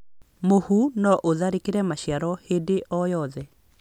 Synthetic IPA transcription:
mohunɔʔoðaɾekeɾɛmaɕjaɾɔhedeʔɔjɔðɛ

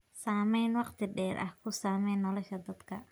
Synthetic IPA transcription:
saːmɛjnwɑqt̪ʰɪɖɛːɾʔɐ̰hkʰʊsaːmɛjnːɔlɔʃɐd̪ɐd̪kʰɐ

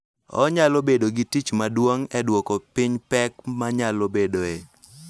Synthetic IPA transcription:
ɔ̰ɲalobedoɡitit͡ʃmadwoŋɛdwɔkɔpɪɲpɛkmaɲalobedoe

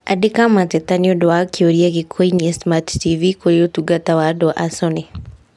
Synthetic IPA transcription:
a̰dɪkamat̪et̪aniodoakioɾiaɡɪkʰoiniesmattivikoɾeotuɡat̪awadoʔasɔne

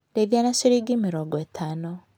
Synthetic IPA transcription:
deðjanasiɾiɡimiɾoɡwetʰano

